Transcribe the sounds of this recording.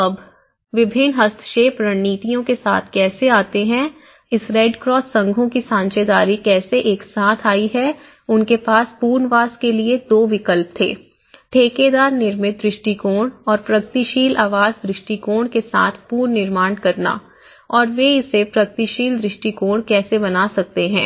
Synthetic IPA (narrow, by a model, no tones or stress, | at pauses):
ɐb | ʋɪbʱɪnɦɐst̪ʰʃeːpɾɐɳːiːt̪ijõkesa̰ːt̪ʰkɛːseaːt̪eɦɛ̃ | ɪsɾɛɖkɾɔːsːɐ̃ŋɡʱõkisãːnt͡ʃed̪aːɾikɛːseʔeːksaːt̪ʰaːiɦɛ | ʊnkepaːspuːɾnʋaːskelied̪oːʋɪkəlp̚t̪ʰḛː | ʈʰeːked̪aːɾnɪɾmɪt̪̚d̪ɾɪʃʈikoːɽ̃ɔːɾpɾɐɡt̪iʃiːlʔaːʋaːzd̪ɾɪʃʈikoːɳkesa̰ːt̪ʰpuːɾnɪɾmaːɳkɐɾna̰ | ɔːɾʋeɪsepɾɐɡət̪iʃiːld̪ɾɪʃʈikoːɽ̃kɛːsebɐnaːsɐk̚t̪eɦɛ̃ː